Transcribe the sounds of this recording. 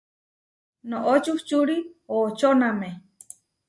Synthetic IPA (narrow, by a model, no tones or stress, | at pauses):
nõʔot͡ʃuht͡ʃuɾiot͡ʃoname